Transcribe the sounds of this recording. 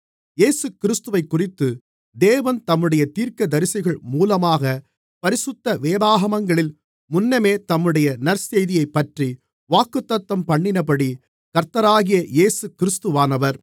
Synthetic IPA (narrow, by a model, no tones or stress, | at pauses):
jeːsɯkɪɾɪst̪ɯʋɐɪkːʊrɪt̪ːɯ | d̪eːʋɐnt̪ɐmːɯɽɐjɐt̪iːɾkɐd̪ɐɾɪsɐɣɐɭmuːlɐmaːɣɐ | pɐɾɪsɯt̪ːɐʋeːbaːɣɐmɐŋɡɐɭɪl | mʊnːɐmeːt̪ɐmːɯɽɐjɐnɐɾsejðɪjɐɪpːɐʈri | ʋaːkːɯt̪ːɐt̪ʋɐmpɐɳːɪnɐpɐɽi | kɐɾt̪ːɐɾaːɣɪjɐjeːsɯkːɪɾɯst̪ɯʋaːnɐʋɐɾ